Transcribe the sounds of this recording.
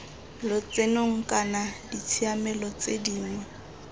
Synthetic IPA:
lʊt͡sʼenoŋ̩kʼanadit͡sʰiamɛlɔt͡sediːŋwɛ

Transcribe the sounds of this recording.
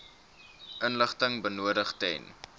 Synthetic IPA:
ʔənləχtəŋbənuədəχtɛ̰jn

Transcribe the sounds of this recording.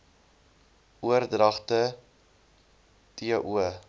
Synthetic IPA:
uərdrɐχtə | tiəʔuə

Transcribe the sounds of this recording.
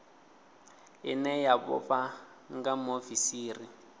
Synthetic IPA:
ɪnɛjabɔ̰pa | ŋɡamofisiːri

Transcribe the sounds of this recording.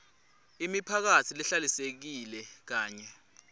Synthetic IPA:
imipʰak̬atʰiliɬalisek̬ilɛk̬aːɲɛ

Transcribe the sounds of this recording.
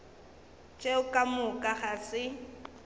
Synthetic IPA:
t͡ʃʼeʊkʼamʊkʼaɣasɪ

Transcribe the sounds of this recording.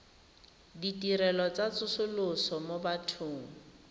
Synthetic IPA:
ditiɾɛlɔt͡sat͡sʰʊsʊlʊsɔmobatʰʊːŋ̩

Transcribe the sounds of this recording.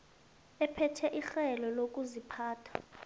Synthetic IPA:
ɛpʰɛtʰɛʔixɛlɔlok̬ʼuzipʰaːtʰḁ

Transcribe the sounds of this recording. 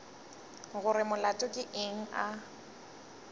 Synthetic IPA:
ɣʊɾɪmʊlatʼʊkʼɪʔeŋ̩a

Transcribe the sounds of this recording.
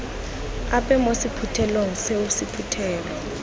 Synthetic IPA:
apʼɛmosipʰutʰɛloŋ̩seusipʰutʰɛːlɔ

